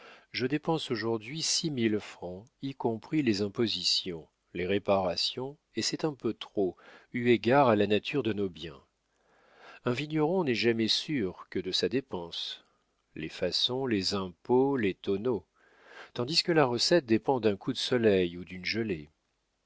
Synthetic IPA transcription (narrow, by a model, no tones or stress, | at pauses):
ʒəd̪epɑ̃soʒuʁd̪ɥisimilfχɑ̃ikɔ̃pχilezɛ̃pozisjɔ̃ | leʁepaʁasjɔ̃ | esɛt̪ɛ̃pøt̪χoyeɡʲaʁalanat̪ʰyʁd̪ənobjɛ̰̃ | ɛ̃viɲɔʁɔ̃nɛʒamɛsyʁkəd̪əsad̪epɑ̃s | lefasɔ̃lezɛ̃polet̪ɔno | t̪ɑ̃d̪iskəlaʁəsɛt̪̚d̪epɑ̃d̪ɛ̃kud̪əsɔlɛjud̪ynʒəle